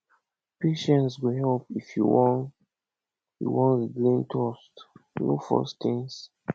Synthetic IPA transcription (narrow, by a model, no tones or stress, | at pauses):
peʃɛ̃nsɡoɦɛlpifjuwɔ̃n | jṵwɔ̃nsɡlĩntʰɔstno̰fɔ̰stĩŋs